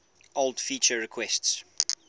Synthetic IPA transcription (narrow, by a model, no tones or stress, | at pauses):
oldfiˑt͡ʃəɹɪkʰwɛsts